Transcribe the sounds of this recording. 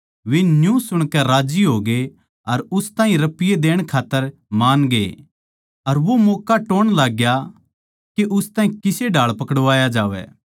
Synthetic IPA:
ʋɪnjũsʊɽ̃kɛɾaːd͡ʒiɦoːɡe | ɐɾʊst̪ãːɦĩɾɐpɪjed̪eːɽ̃kʰaːt̪ːəɾmaːnɡḛ | ɐɾʋomoːkaʈoːɽ̃laːɡja | keʔʊst̪aːɦĩkɪseɖʱaːɭpɐkɽʋaːjad͡ʒaːʋɛ̰ː

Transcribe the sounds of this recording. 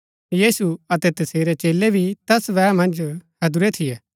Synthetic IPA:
jiːsuɐt̪ɛt̪ɐseːɾet͡ʃeːlebʱit̪ɛsʋɛːmɐ̃nd͡ʒhɐd̪ʊɾet̪ʰijɛː

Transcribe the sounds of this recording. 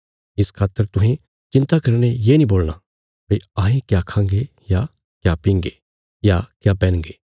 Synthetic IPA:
ɪskʰaːt̪ːəɾt̪ʊɦẽ | t͡ʃɪ̃nt̪akɐɾñejeːnĩboːlna | beãːɦẽkjakʰãːŋɡe | ja | kjapĩːŋɡe | jakjapɛ̃ːñŋɡeː

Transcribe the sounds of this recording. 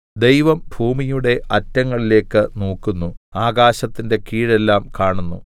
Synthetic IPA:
d̪e̞jʋɐmbʱuːmijuɽe̞ʔɐtːɐŋːɐɭile̞ːkːɨnoːkːunːuaːɡaːɕɐt̪ːinde̞kiːɻe̞lːaːmkaːɳunːṵ

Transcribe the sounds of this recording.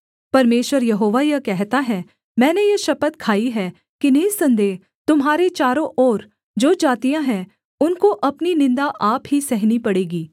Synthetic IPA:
pɐɾmeːʃʋəɾjɐɦoːʋajɐkɛɦt̪aɦɛ | mɛ̃ːnejɐʃɐpət̪kʰaːiɦɛ | kineːsɐ̃nd̪eː | t̪ʊmɦaːɾet͡ʃaːɾõʔɔːɾ | d͡ʒoːd͡ʒaːt̪ijãɦɛ̃ | ʊnkoʔɐpninɪ̃nd̪aʔaːpɦisɛɦnipɐɽeːɡiː

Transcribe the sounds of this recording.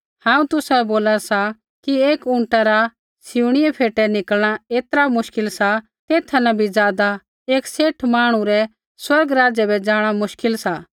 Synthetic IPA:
hãːũt̪ʊsaɛboːlasa | kieːkʊ̃ɳʈaɾa | sɪuɽ̃iɛpʰeːʈɛnɪkəlɽ̃aeːt̪əɾamʊʃkɪlsa | t̪eːt̪ʰanɐbʱid͡zjaːd̪a | eːkseːʈʰmaːɽ̃ũɾɛ | swɐɾɡɾaːd͡ʒɛbɛd͡zaːɽ̃amʊʃkɪlsa

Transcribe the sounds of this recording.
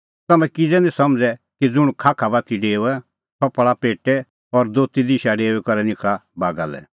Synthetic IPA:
t̪ɐmɛ̃kɪd͡zɛnɛ̃sɐmd͡zɛkid͡zʊɽ̃ukʰaːkʰabat̪iɖeːuɛ | t̪ʰɔpɭapeːʈɛ | ɔɾd̪oːt̪id̪iʃaɖeːuɛkɔɾɛnɪkʰɭabaːɡa̰lɛ̰

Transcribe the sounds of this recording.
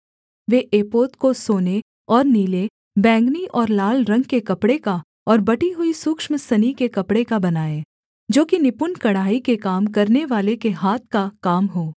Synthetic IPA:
ʋeʔeːpoːt̪kosoːne | ɔːɾniːle | bɛ̃ːŋɡniʔɔːɾlaːlɾɐ̃ŋɡ̚kekɐpɽeka | ɔːɾbɐʈiɦʊisʊkʃmsɐnikekɐpɽekabɐnaːeː | d͡ʒoːkinɪpʊnkɐɽ̤aːikekaːmkɐɾneʋaːlekeɦaːt̪̚ʰkakaːmɦoː

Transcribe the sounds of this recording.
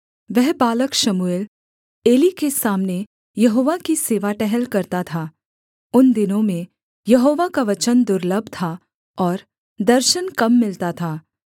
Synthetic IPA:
ʋɛɦbaːləkʃɐmueːl | eːlikesaːmne | jɐɦoːʋakiseːʋaʈɛɦɛlkɐɾt̪at̪ʰaː | ʊnd̪ɪnõmẽ | jɐɦoːʋakaʋɐt͡ʃənd̪ʊɾləbʱt̪ʰa | ɔːɾ | d̪ɐɾʃənkɐmːɪlt̪at̪ʰaː

